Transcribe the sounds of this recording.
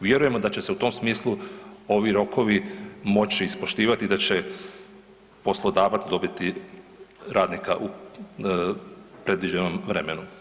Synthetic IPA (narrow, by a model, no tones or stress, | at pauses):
ʋje̞ɾuje̞mo̞d̪at͡ɕe̞seut̪o̞msmiːslˠuo̞ʋiɾo̞kʰo̞ʋimo̞t͡ɕiːspo̞ʃt̪iːʋat̪id̪at͡ɕe̞ | po̞slˠo̞d̪aːʋat̪sd̪o̞bit̪i | ɾʔaːd̪nikaʔu | pɾe̞d̪ʋid͡ʑeno̞mʋɾe̞menu